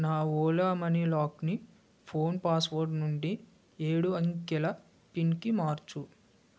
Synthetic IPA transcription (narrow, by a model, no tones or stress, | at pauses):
naːɔːlaːmɐnilaːkni | pʰo̞ːnpaːsʋoɾɖnuɳɖi | eːɽuɐŋkɛlɐ | pinkimaːɾt͡ʃu